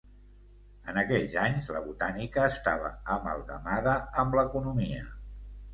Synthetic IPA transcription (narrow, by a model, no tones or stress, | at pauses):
ənəkɛʎzaɲzləβut̪anikəːst̪aβə̰əmə̰lˠɣəmaðəəmbləkunumiə